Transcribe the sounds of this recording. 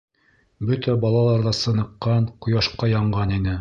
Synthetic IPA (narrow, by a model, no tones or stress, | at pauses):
bɵt̪æbɑlˠɑlˠɑɾðɑsɤ̆nɤ̆qːɑɴqŏjɑʃqɑjɑɴʁɑninɘ